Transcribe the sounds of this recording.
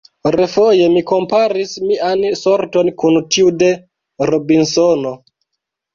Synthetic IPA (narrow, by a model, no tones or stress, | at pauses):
ɾefoje̞miko̞mpaɾismianso̞ɾto̞nkuntiude̞ | ɾobinsono̞